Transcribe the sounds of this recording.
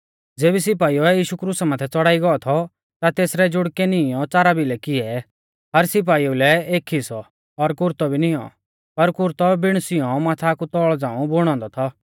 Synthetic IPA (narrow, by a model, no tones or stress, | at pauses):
d͡zeːbis̬ɪp̬aːiɔɛjiːʃukɾuːsamãːt̪ʰɛt͡sɔɽaːiɡɔɔt̪ʰɔ | t̪at̪eːsɾɛd͡ʒʊɽkɛnɪjɔt͡saːɾabilɛkɪɛ | ɦɐɾsɪp̬aːiulɛeːkʰisɔː | ɾkʊɾt̪ɔbʱinɪjɔ̰ | pɐɾkʊɾt̪ɔbɪɽ̃sɪjɔ̃maːt̪ʰaːkut̪ɔɭd͡zãːũbʊɽ̃ɔ̃ːnd̪ɔt̪ʰɔ